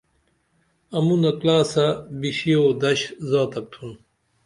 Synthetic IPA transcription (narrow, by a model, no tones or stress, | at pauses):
ɐmunɐklaːsɐbiɕiod̪ɐɕzaːt̪ɐk̚t̪ʰun